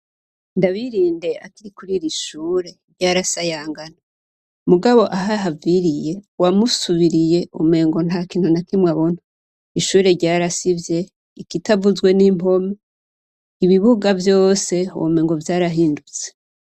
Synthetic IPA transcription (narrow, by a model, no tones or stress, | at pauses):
ndaβiɾiːnde̞akiɾikuɾiɾiʃuːɾe̞ɾɟaːɾasajaːŋɡana | muɡaβo̞ʔaɦaɦaviɾije̞wamusuβiɾije̞ʔume̞ːŋɡo̞n̥hakiːnhunakimŋaβon̥o | iʃuːɾe̞ɾɟaːɾasivje̞ | ikitavuzɡwe̞nim̥o̞me | iβiβuɡavjo̞ːse̞ome̞ːŋɡo̞vjaːɾaɦiːndut͡se̥